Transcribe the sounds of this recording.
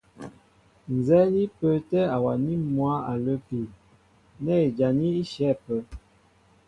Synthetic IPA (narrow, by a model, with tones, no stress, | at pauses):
n˨zɛ˦li˦pə˨tɛ˦a˨wa˨ni˦mwa˦a˨lə˦pi˨ | nɛ˦˨e˨d͡ʒa˨ni˦i˦ʃɛ˦˨pə˨